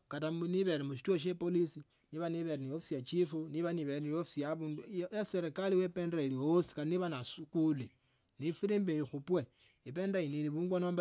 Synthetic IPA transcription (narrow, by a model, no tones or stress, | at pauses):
katamuniβe̞ɾemuʃ̬i̥twoʃ̬epolisi | niβaniβeɾeniofisijat͡ʃifuniβaniβeɾeniofisijaβuːndujaseɾekaliwependɾailiwosi̥kaliniβanasukuli | nifuɾimbejixupwe | ipe̞ndainiliβuːŋɡwonoːmba